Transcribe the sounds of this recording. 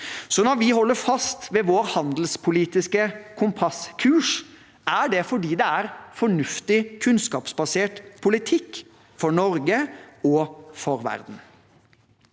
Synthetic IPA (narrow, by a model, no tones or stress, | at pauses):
sɔnɔɾʋɪhɔlːəɾfɑst̪ʋeːʋoːɾhɑnd̪l̩spʰʊliːt̪ɪskəkʰʊmpʰɑskʰʉːʂ | ʔæɖɛfɔɖiːd̪ɛæɾfɔɳʉft̪ɪkʰʉnskɑːpsbɑseːʈpʰʊlɪt̪ʰɪkː | fɔɳɔɾɡəɔfɔɾʋæ̰ɾd̪n̩